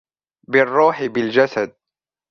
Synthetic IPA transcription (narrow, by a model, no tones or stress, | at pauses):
bɪrˤːuːħɪbɪld͡ʒasad̪̚